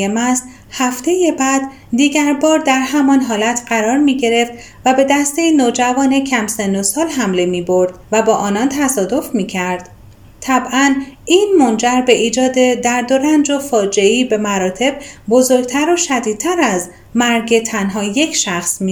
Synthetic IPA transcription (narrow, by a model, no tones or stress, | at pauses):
emæs | hæft̪e̞jebæd̪ | d̪iːɟæɾbɒːɾd̪æɾɦæmɒnɦɒːlæt̪ʰɢæɾɒːɾmiːɟe̞ɾe̞ft̪ | væbe̞d̪æst̪e̞jinoːd͡ʒævɒːne̞cʰæmsend̪osɒːlɦæmle̞miːboɾd̪̥væbɒːʔɒːnɒnt̪ʰæsɒːd̪o̞fmiːcʰæɾd̪̥ | t̪ʰæbʔæniːnmo̞nd͡ʒæɾbe̞ʔiːd͡ʒɒːd̪e̞d̪æɾd̪o̞ɾænd͡ʒofɒːd͡ʒe̞iːbe̞mæɾɒːt̪ʰe̞b̚bo̞zo̞ɾɡ̚t̪ʰæɾoʃæd̪iːd̪̚t̪ʰæɾæz | mæɾɡet̪ʰænɦɒːje̞cʰʃæxsmi